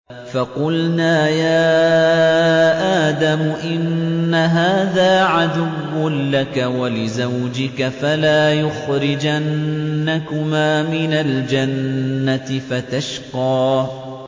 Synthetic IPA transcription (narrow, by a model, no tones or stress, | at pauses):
fɑqʊlnaːjaː | ʔaːd̪amʊʔɪnːaɦaːðaːʕad̪ʊwːʊnlakawalɪzawd͡ʒɪkafalaːjʊxɾɪd͡ʒʔanːakʊmaːmɪnald͡ʒanːat̪ɪfat̪aʃqɑː